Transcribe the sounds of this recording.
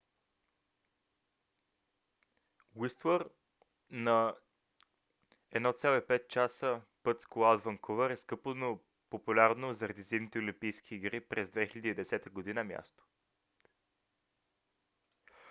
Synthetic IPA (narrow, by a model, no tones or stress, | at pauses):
wist̪wəɾ | nɐ | ɛd̪nɔt̪sʲjalˠoipɛt̪̚t͡ʃasəpɤt̪skoad̪vəŋkʰovəɾɛskɤpono | populʲaɾnozəɾɐd̪izid̪nit̪ɛolʲimpijsk̟ʰiːɡɾipɾɛzd̪vɛxilʲɛd̪iːd̪ɛsɛt̪əɡod̪inəmʲja̰st̪o̥